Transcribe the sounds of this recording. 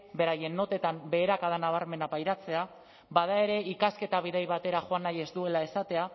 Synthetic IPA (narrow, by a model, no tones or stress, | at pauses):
be̞ɾaje̞nːo̞t̪e̞t̪ambe̞ːɾakaðanaβ̞aɾme̞napajɾat͡se̞a | bað̞ae̞ɾe̞ʔikaske̞t̪aβ̞iðajβat̪e̞ɾaʝoanaje̞zd̪ue̞lae̞sat̪e̞a